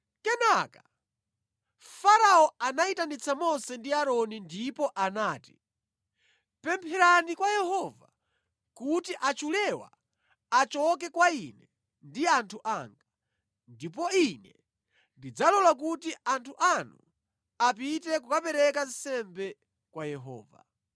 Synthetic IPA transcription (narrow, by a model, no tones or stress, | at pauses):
kɛnaka | faɾaɔanaitanit͡sʰamɔsɛndiaɾɔnindipɔʔanaːti | pɛmpʰɛɾanikwajɛhɔva | kutiʔat͡ʃulɛwa̰ː | t͡ʃɔk̬ɛkwainɛ | ndiantʰuʔa̰ŋɡa | ndip̬ɔinɛ | ndid͡zalɔlak̬utiʔantʰuʔanu | apitɛkukapɛɾɛkansɛmbɛ | kwajɛɦɔ̰ːva̰